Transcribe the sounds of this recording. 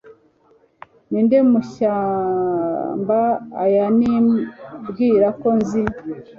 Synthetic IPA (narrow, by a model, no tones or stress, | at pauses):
nindemuʃaː | mba̰ːjanibɡiːɾako̞nzi